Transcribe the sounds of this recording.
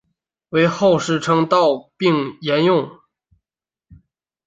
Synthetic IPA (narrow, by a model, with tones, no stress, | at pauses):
we˧˥ɪxo˥˧ʊʂɻ̩˥˩ʈ͡ʂʰɤ˥ŋt̪ɑ˥˧ʊpi˥˩˧ŋjɛ˧˥njʊ˥˩ŋ